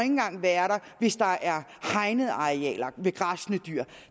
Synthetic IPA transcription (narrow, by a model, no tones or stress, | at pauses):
e̝ŋn̩ɡ̥ɑ̈ŋ̰ʋæːɐɾɑ̈ʋe̝sd̥ɑ̈ʔæɐhɑ̈ɪnəð̩ˠɑ̈ʁeɛ̰ːlɐʋe̝ɡ̥ʁɑsnəd̥y̰